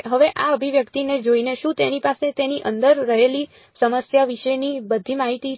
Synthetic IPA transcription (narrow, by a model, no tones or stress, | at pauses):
ɦəʋeʔaəbʱiʋjəkt̪ined͡ʒoineʃũt̪enipaset̪eniʔənd̪əɾːəɦeli | səməsjaʋiʃenibəd̪ʱimaɦit̪i